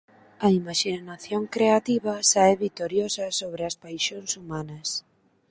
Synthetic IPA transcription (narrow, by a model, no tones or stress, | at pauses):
ɐimaʃinaθjoŋkɾeat̪iβɐsaɛβit̪oɾjosɐsoβɾɪɐspajʃonsumanɐs